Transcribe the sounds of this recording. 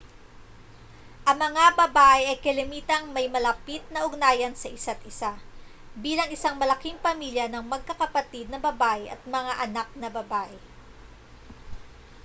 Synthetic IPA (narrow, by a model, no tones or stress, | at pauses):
ʔɐŋmɐŋabɐbaʔɛʔɐjkɐlɪmiːt̪ɐŋmɐjmɐlɐpit̪̚nɐʔʊɡ̚naːjɐnsɐʔɪsat̪̚ʔɪsa | biːlɐŋɪsaŋmɐlɐkiŋpɐmiljɐnɐŋmɐɡ̚kɐkɐpɐt̪id̪̚nɐbɐbaʔjɐ̰t̪̚mɐŋaʔɐnak̚nɐbɐbaʔɛ